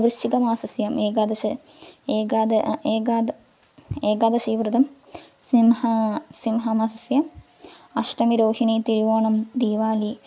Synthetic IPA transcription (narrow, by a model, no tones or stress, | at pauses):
ɐʋist͡ʃiɡɐmaːsɐsjɐmeːɡad̪ɐʂɐ | eːɡaːd̪ɐeːɡaːd̪ | eːɡaːd̪ɐsiːʋɾɨd̪ɐm | simhɐsimɦɐmasɐsjɐm | ɐʂʈɐmiɾoːhiɳit̪iɾuʋoːɳɐmd̪iːʋaːli